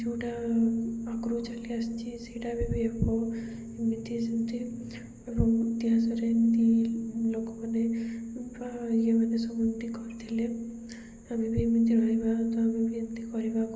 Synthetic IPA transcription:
d͡ʒuʈa | akɾut͡ʃaliast͡ʃʰiseʈabibʱiepɔ | emint̪isint̪i | ebɔŋt̪iɦãsɔɾent̪ilokɔmanebajemanesɔmunt̪ikɔɾt̪ʰile | amibimint̪iɾɔɦibat̪ɔamibint̪ikɔɾibaku

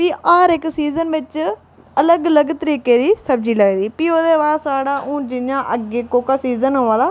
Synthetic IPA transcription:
piːaːɾɪksiːzənʋɪt͡ʃ | ələɡələɡt̪əɾiːkeːd̪iːsəb̚d͡ʒiːləeːd̪iːpiːoːd̪eːʋaːsaːɽaːʔũːd͡ʒɪnjãːʔəɡeːkoːkaːsiːzənɦoːʋãːd̪aː

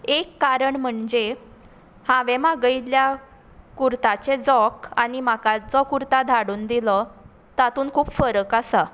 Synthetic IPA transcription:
ekːaɾəɳm̤əɳd͡ʑe | hãʋemaɡəjlja | kuɾt̪at͡ɕed͡zɔkanimakat͡sɔkuɾt̪ad̪ʱaɽuːnd̪ilɔ | t̪at̪uːnkʰuːpfəɾəkasa

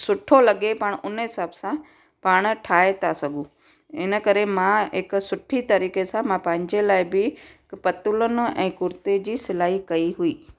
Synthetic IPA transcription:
sʊʈʰolɐɠepaːɽ̃ʊnɦɪsaːbsã | paːɽ̃̆ʈʰaːet̪ʰasɐɡʱũ | ɪnə̆kɐɾemãɦɪksʊʈʰit̪ɐɾiːkesãmãpɐ̃ɦɪ̃ɲd͡ʑelaːɪbɪ | pɐt̪ʊlənʊ̆ɛ̰̃ːkʊɾt̪ed͡ʑiːsɪlaːɦikɐiɦuiː

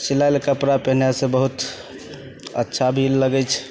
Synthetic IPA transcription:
silajlkəpɾapeɦnjasẽbəɦut̪ | ə̰tːʃʰabʱilːəɡɛt͡ʃʰ

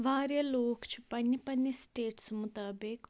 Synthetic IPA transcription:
ʋaːɾjɐloːkt͡ʃʰi̥pɐnːipɐnːisʈeːʈsmut̪aːbɪk

